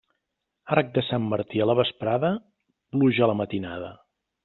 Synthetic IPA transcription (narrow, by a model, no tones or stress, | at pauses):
aɾk̚d̪əsamːəɾt̪iələβəspɾaðə | pluʒələmət̪inaðə